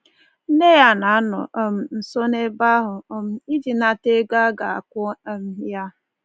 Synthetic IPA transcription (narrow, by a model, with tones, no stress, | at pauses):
n̩˦ne˦ja˦na˨a˦nʊ̰˨ɔ˨m̩˨n̩˨so˦ne˦ba˦ɦʊ˨ɔ˦m̩˦i˦d͡ʒi˨na˨te˦ɡa˦ɡa˨a̰˨kʷʊ˦˨m̩˨ja˦